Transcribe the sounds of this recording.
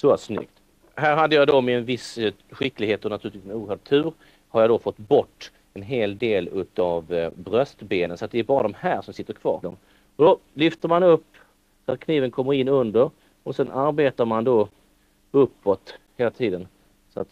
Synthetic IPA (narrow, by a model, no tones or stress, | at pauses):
sɔasnʏ̰k̚t̪ | hæːɾɦad̪ːəjad̪ɔmɛɛnvɪs | ɧɪkːlɪɡheːt̪ɔnat̪ʰʉ̟ɾt̪viːsmɛuːəɦœːɖ̚t̪ʰːʉ̟ːɾ | haɾjad̪ɔfɔt̪ːbɔʈː | ɛnɦeːld̪eːlʉ̟ːt̪avbɾœst̪beːnənsɔat̪̚d̪ɛːɾbɑːɾad̪ɔmhæːɾʂɔmsɪt̪ːəɾkʰvɑ̰ːɾd̪ɔm | ɔd̪ɔlʏft̪əɾmanɵpː | sat̪̚kʰniːvənkʰɔmːəɾɪnːɵnd̪əɾ | ɔsɛnʔaɾbeːt̪aɾmand̪ɔ | ɵpːɔt̪heːlat̪ʰiːd̪ən | sɔa̰t̪